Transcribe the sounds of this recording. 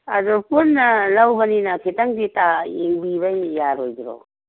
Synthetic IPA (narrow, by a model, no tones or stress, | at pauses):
ɐdupunːɐlɐwbəninɐkʰitɐŋditaeŋbibɐjːaɾojɡiɾo̰